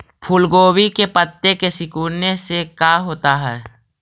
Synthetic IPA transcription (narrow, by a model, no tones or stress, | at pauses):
pʰʊlɡoːwikepət̪ːekesɪkuːɾnesekaːɦoːt̪aɦɛː